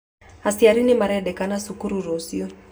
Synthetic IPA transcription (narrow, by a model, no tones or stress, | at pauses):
asiaɾinimaɾɛɗɛkanasukuɾuɾosiɔ